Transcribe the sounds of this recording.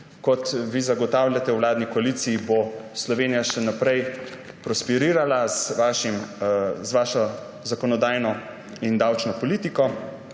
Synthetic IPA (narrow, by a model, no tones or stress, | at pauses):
kɔt̪ʋizaɡɔt̪awlʲjat̪ɛwwlaːd̪nikɔalit̪siːboslɔʋeːnijaʃɛnapɾɛj | pɾɔspɛɾiːɾalazʋaʃimzʋaːʃɔ | zakɔnɔd̪aːjnɔ | ind̪awt͡ʃnɔpɔliːt̪ikɔ